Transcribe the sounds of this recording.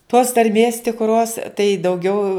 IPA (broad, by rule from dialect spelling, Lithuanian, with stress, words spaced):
toːs tɐrʲˈmʲeːs tʲɪkˈroːs tɐɪ dɐʊˈɡʲɛʊ